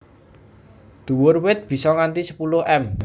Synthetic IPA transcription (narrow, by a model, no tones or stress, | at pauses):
d̪̥ṳwʊrwɪt̪̚b̥i̤sɔŋant̪isə̥pulʊɦɛm